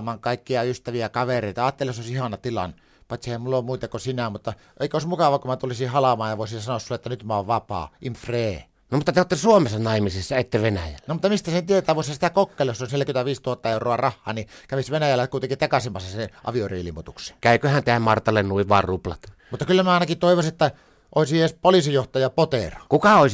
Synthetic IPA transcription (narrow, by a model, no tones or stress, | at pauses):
mɑːŋkɑˑikːiɑyst̪æʋiækɑʋereˑit̪ɑɑːt̪ːelːˑseoˑisihɑnɑt̪ilɑ̰n | pɑˑt̪sihæmmulːommuit̪ɑkosinæmut̪ːɑ | ʔeˑikːˑoˑismukɑʋɑkumæt̪ulisihɑlɑmɑːjɑʋoˑisinsɑnoɑssulːeet̪ːænyt̪mɑoʋʋɑpɑ̰ːʔimfreː | nomut̪ːɑt̪eot̪ːesuomesɑnɑˑimisesːɑet̪ːeʋenæjælːnomut̪ːɑmist̪æsent̪iet̪æːʋoˑeshɑsit̪ækokːeːlːɑjosːolnsnelkynt̪æʋiːst̪uhɑt̪ːɑeˑurˑoɑrɑhːɑ̰ːnikæʋisʋenæjælːækuˑit̪eŋkit̪ɑkɑsimːɑsːɑseʔɑ̰ʋiorḭːlimːot̪ukse̥kæˑykøhænt̪eæmmɑrt̪ːɑlːennuiʋʋɑrruplɑ̰t̪mut̪ːɑkylːæmnæɑˑenɑkit̪oˑiʋosiet̪ːæ | ʔoˑisieːˑspolisijoht̪ɑjɑpot̪erɑ̥kukɑoˑis